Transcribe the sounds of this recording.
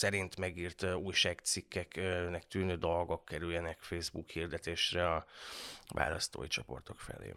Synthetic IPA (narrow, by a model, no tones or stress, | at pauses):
sɛɾint̪mɛɡiːrt̪uːjʃaːkt̪sikːɛknɛkt̪yːnøːd̪olɡokːɛɾyjjɛnɛkfeːzbukhiːrd̪ɛt̪eːʃrɛɒ | va̰ːlɒst̪o̰ːjit͡ʃo̞po̞̰rt̪o̞kfɛ̰lḛː